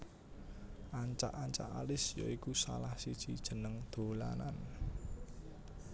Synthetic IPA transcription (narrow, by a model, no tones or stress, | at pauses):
ʔaɲt͡ʃaʔaɲt͡ʃa̰ʔalɪsjɔikusalahsid̥ʒ̥id̥ʒ̥ə̤nəŋd̪̥o̤la̰nan